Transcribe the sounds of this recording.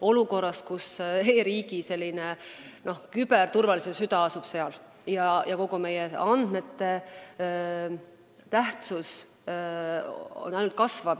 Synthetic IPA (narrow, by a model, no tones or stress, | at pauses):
o̞luko̞rːɑskuse̞ːɾiːɡise̞lʲːine | no̞hkyb̥ert̪urvɑlisesyd̪ɑɑsub̥se̞ɑl | jɑjɑko̞ɡume̞jeɑnd̪̥me̞t̪ːe̞ | t̪æht̪sus | o̰næjnult̪̚kɑsvɑb̥